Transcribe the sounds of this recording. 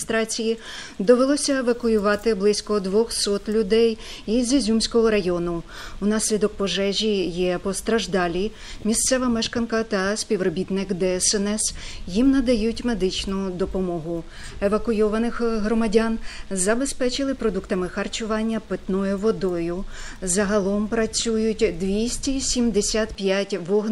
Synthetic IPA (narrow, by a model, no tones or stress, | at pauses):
st̪ɾɑt͡sʲiji | d̪ɔʋelˠɔsʲɐeʋɐkʊjʊʋɑt̪ɪblˠɪsʲkɔd̪ʋɔxsɔt̪lʲʊd̪ɛjizʲizʲumʲsʲkɔɦɔɾɐjɔnʊ | unɑsʲlʲid̪ɔk̚pɔʒɛʒʲijɛpɔst̪ɾɐʒd̪ɑlʲi | mʲist̪sɛʋɐmɛʃkɐnkɐt̪ɐsʲpʲiʋrɔbʲit̪nɪkd̪ɛsɛnɛsjimnɐd̪ɐjutʲme̞d̪ɪt͡ʃnʊd̪ɔpɔmɔɦʊ | eʋɐkʊjɔʋɐnɪxɦɾɔmɐdʲɑnzɐbe̞spɛt͡ʃɪlˠɪpɾɔd̪ukt̪ɐmɪxɐrt͡ʃʊʋɑnʲːɐpɪt̪nɔjʊʋɔd̪ɔjʊ | zɐɦɐlˠɔmpɾɐt͡sʲujʊtʲd̪ʋʲisʲtʲisʲimd̪esʲat̪pʲjatʲʋɔɦn